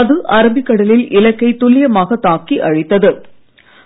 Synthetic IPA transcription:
ɐðɯʔɐɾɐmbɪkːɐɽɐlɪlʔɪlɐkːɐɪt̪ːʊlɪjɐmaːɣɐt̪ːaːkːiʔɐɻɪt̪ːɐðɯ

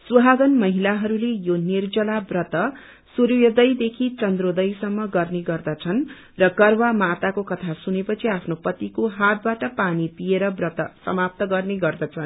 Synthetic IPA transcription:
suɦaɡʌnmʌɦilaɦʌɾulejonird͡zʌlabrʌt̪ʌ | suɾjʌd̪ʌjd̪ekʰit͡sʌnd̪rod̪ʌjsʌmːʌɡʌrneɡʌrd̪ʌt͡sʰʌn | rʌkʌrwamat̪akokʌt̪ʰasunepʌt͡sʰiapʰnopʌt̪ikoɦat̪̚baʈʌpanipieɾʌbrʌt̪ʌsʌ̰map̚t̪ʌɡʌrneɡʌrd̪ʌt͡sʰʌn

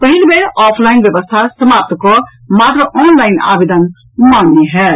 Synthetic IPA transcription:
pəɦilbeɔpʰlainbjəbəst̪ʰasəmap̚t̪kɔ | mat̪ɾəʔɔnlaina̰bed̪ən | manːeɦɛ

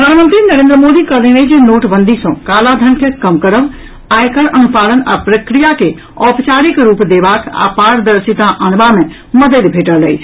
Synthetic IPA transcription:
pɾəd̪ʱanmə̃nt̪ɾinəɾẽːnd̪ɾəmod̪ikəlinəjd͡ʒenoʈbənd̪ʱisə̃kalad̪ʱənkekəmkəɾəb | ajkəɾənupaləna̰pɾəkɾijake | ɔpt͡ʃaɾikɾupd̪ebaka̰paɾd̪əɾsit̪aʔənbame | məd̪əlbʱeʈəɾləjt͡ʃʰ

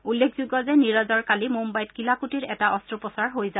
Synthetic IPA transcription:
ulːekʰzuɡɔzɛniɹazɔɹkalimumbajtkilakutiɹɛtaʔɔstɹupɔsaɹɦojza

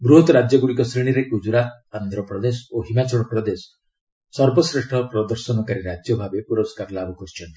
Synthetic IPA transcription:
bɾuɦɔt̪ɾad͡ʒjɔɡuɽikɔsɾiɽ̃iɾekud͡ʒuɾa | and̪ʱɾɔpɾɔd̪esɔoɦimat͡ʃɔɽ̃ɔpɾɔd̪esɔ̥ | sɔɾbɔsɾeʂʈʰɔpɾɔd̪ɔɾsɔnɔkaɾiɾad͡ʒjɔbʱabepuɾɔskaɾlabɔkɔst͡ʃʰɔnt̪i̥

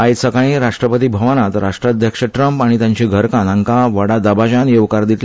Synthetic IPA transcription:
ajsəkaɭ̃iɾaʂʈɾəpət̪ibʱəʋənat̪ɾaʂʈɾad̪ʱjəkʂəʈɾəmpaɽ̃it̪jãɲt͡ɕiɡʱəɾkãnaŋkaʋəɽad̪əbad͡ʑanjeʋkaɾd̪it̪l

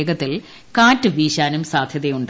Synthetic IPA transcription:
ɡɐt̪ːil | kaːtːɨʋiːɕaːnumsaːd̪ʱjɐðejuɳɖ

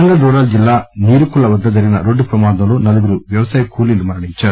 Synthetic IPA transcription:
ɐŋɡɐld̪ɔːɾaːld͡ʒilːaːniːɾukulɭːɐʋɐd̪ːɐd̪ɐɾinɐɾoɖːpɾɐmaːd̪ɐlunɐlɐɡiɾuʋjɐʋɐsaːjɐkuːlilumɐːɐɽit͡ʃːɐ

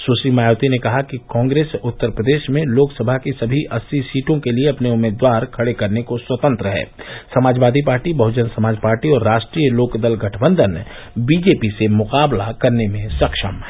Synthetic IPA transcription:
susimaːjoːt̪inekɐɦakikɔ̃ːŋɡɾeːsʊt̪ːəɾpɾəd̪eːʃmẽloːksɐbʱakisɐbʱiʔɐsːisiːʈõkelieɐpneʊmːeːd̪ʋaːɾkʰɐɽekɐɾnekoswɐt̪ə̃nt̪ɾəɦɛ̰ːsɐmaːd͡ʒʋaːd̪ʱipaːɾʈibɐɦʊd͡ʒənsɐmaːd͡ʒpaːɾʈiɔːɾːaːʃʈɾijəloːkd̪əlɡɐʈʰbə̃nd̪ʱən | biːd͡ʒeːpisemʊqaːblakɐɾnemẽsɐkʃəmɦ

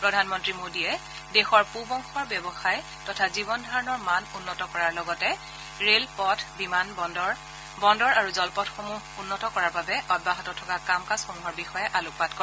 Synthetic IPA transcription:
pɹɔdʱanmɔntɹimodiɛ | dexɔɹpubɔŋxɔɹbjɔbɔxajɛ | tɔtʰazibɔndʱaɹɔnɔɹmanunːɔtɔkɔɹaɹlɔɡɔtɛ | ɹelpɔtʰbiman | bɔndɔɹaɹuzɔlpɔtxomu | unːɔtɔkɔɹaɹbabɛʔɔd̚baɦɔtɔtʰɔkakamkasxomuɦɔɹbixɔjɛʔalʊk̚patkɔ

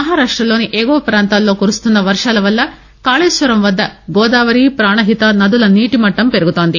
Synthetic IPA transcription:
mɐɦaːɾaːʂʈɾɐloːniʔeːɡoːpɾaːnt̪ɐːlːoːkuɾust̪und̪ɐʋɐɾʂɐlɐʋɐlːɐ | kaːɭeːsʋɐɾɐmʋɐd̪ːɐɡoːd̪aːʋɐɾiːpɾaːɳɐɦit̪ɐnɐd̪ulɐniːʈimɐʈːɐmpeɾɡut̪oːnd̪i

